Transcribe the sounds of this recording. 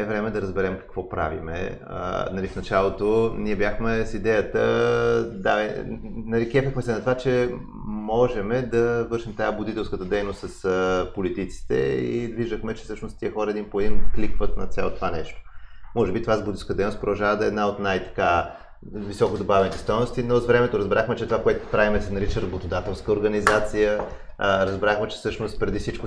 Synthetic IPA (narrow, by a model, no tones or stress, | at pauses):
ɛvɾɛmɛd̪ɐɾəzbɛɾɛmkɐ̥kvɔpɾa̰vḭmɛ̰ | ə̰nɐlifnɐt͡ʃalˠot̪oniɛbʲjaxmɛsid̪ɛjət̪ə | d̪a | nɐɾikɛfəxmɛsɛnɐt̪ovat͡ʃɛ | mɔʒɛmɛd̪ɐvɤɾʃimt̪ajabʊd̪it̪ɛlˠskət̪əd̪ɛjnost̪sɐsəpolit̪it̪si̥t̪ɛ̰ḭd̪viʒd̪əxmɛt͡ʃɛ̥sɤʃnost̪t̪iəxɔɾəɛd̪impoɛd̪imklikvət̪nɐ̰t̪sɛ̰lˠt̪ovanɛʃt̪o̥mɔʒɛbit̪ovazbud̪iskəd̪ɛjnost̪pɾod̪ɐlˠʒavəd̪ɐɛːd̪naot̪najt̪ɐ̥ka | visɔkod̪obavɛnit̪ɛ̥st̪ɔjnost̪inozvɾɛmɛt̪oɾɐzbɛɾaxmɛt͡ʃɛt̪ovakoɛt̪opɾavimɛsɛnɐɾit͡ʃəɾɐbot̪od̪at̪ɛlˠskəoɾɡɐnizat̪sijə | ɾɐzbɾaxmɛt͡ʃɛ̥sɤʃnost̪̚pɾɛd̪ifsit͡ʃkʊ